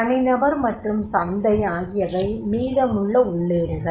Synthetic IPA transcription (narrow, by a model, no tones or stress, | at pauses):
ɐnɪnɐbɐɾmɐʈrɯmsɐnd̪ɐjaːɣɪjɐʋɐɪmiːðɐmʊɭːɐʊɭːeːɾɯɣɐ